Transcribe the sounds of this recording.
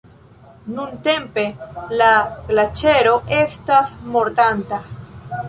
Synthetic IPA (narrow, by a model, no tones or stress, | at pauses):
nunte̞mpe̞laklat͡ʃe̞ɾo̞ʔe̞stasmo̞ɾtanta